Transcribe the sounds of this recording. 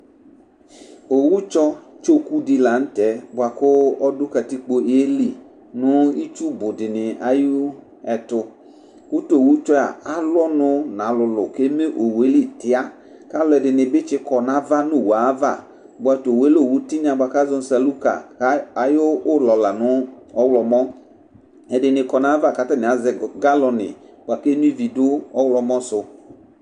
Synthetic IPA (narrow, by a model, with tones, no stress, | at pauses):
o˨wu˦t͡ʃɔ˦t͡ʃo˦ku˦dɪ˨la˨n̩˦tɛ˨˦bʊ˨a˨kʊ˦ɔ˦dʊ˦ka˨ti˦k͡po˦e˦li˨ | nʊ˨˦i˦t͡ʃu˦bʊ˨dɪ˨nɪ˨a̰˨ju˦ | ɛ˨tʊ˧ | kʊ˦to˨o˨wu˦t͡ʃɔ˦a̰˨a˦lɔ˦nʊ˦nã˨˦lʊ˨lʊ˨ke˦me˦ʔo˨we˦li˦˨tɪ˨a˦ | ka˦lɛ˨dɪ˨nɪ˨bɪ˦t͡ʃɪ˦kɔ˨na˦va˦nʊ˦˨wa˨˦va̰˦˨ | bʷa˨˧˨to˨we˦lo˦˨wu˦ti˦n˦a˨ba˨ka˦zɔ˦n˦sa˨lu˦ka̰˨˦a˨jʊː˦lɔ˨la˨nʊ˦ɔ˦wlɔ˨mɔ˦ | ɛ˨dɪ˨nɪ˨kɔ˨na˨˦va˦˨ka˦ta˦nɪ˨a˨˦zɛ˨ɡa˦lɔ˧nɪ̰˨ | bʷa˨ke˦nu˦i˦vi˨dʊ˦ɔ˦wlɔ˨mɔ˦sʊ˨